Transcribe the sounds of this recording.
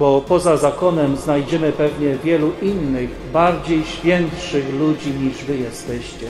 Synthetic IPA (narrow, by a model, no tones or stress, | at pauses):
bɔpɔzazakɔnɛmznajd͡ʑɛmɘpɛvɲɛvʲjɛluʔinːɘɣ | baɾd͡ʑejɕfʲjɛnt̪ʂɘɣlud͡ʑiɲiʐvɘjɛst̪ɛɕt͡ɕɛ